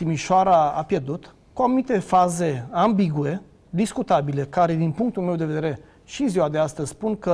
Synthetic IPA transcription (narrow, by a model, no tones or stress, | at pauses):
t̪imiʃoaɾaa̰pje̞rd̪ut̪ | kuanumit̪e̞faze̞ambiɡue̞ | d̪iskut̪abile̞kaɾe̞d̪inpuŋk̚t̪ulme̞wd̪e̞ved̪eeɾe̞ | ʃiɨnziwad̪east̪əzʲspunkə